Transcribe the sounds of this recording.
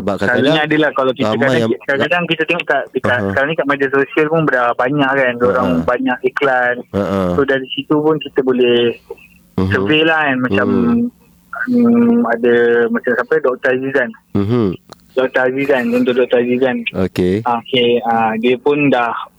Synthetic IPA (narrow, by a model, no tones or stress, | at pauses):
asaɾaɲãadəlahkalawkit̪əkaaŋkãkkadaŋkit̪ət̪eŋɔʔkaʔdəkaʔsəkaɾaŋɲĩkaʔmediasosialpʊnbədaabaɲãʔkandoɾaŋbaɲaʔeklansohdaɾisit̪upʊnkit̪əbolɛhh | sərfelahanmat͡ʃam | əmadəmat͡ʃamsapədɔk̚t̪azizan | dɔk̚t̪azizanənt̪ʊʔdɔk̚t̪ɔzizanokeakeadiəpʊndah